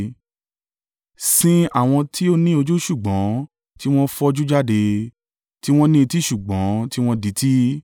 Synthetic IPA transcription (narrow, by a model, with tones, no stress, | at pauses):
sĩ˦a˦˨w̃ɔ̃˧tʰi˦o˦nĩ˦o˧d͡ʒu˦ʃu˦˨ɡ͡bɔ̃˨˦ | ti˦w̃ɔ̃˦fɔ˦˧d͡ʒu˦d͡ʒa˦de˧ | ti˦w̃ɔ̃˦nĩ˦i˧ti˦ʃu˨ɡ͡bɔ̃˨˦ti˦w̃ɔ̃˦di˨˦ti˦